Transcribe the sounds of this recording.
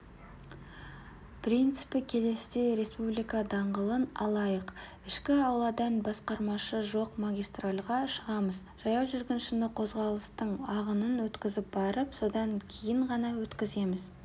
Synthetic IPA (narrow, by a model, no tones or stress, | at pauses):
prijnt̪sɨpɪkʲʰe̞le̞sɪd̪ejɾe̞spublijkɑd̪ɑɴʁəlˠənɑ̰lˠɑjəq | ɪʃkʲɪɑwlˠɑd̪ɑnbɑsqɑɾmɑʃəʒo̞qmaɡʲijst̪ralˠʁɑʃəʁɑməzʒɑjɑwʒʏɾɡʲɪnʃɪnɪqʰo̞zʁɑlˠəst̪əɴɑʁənənwɵt̪kʲɪzɪp̚bɑɾəpso̞d̪ɑŋkʲʰejɪɴʁɑnɑwɵt̪kʲɪze̞mɪz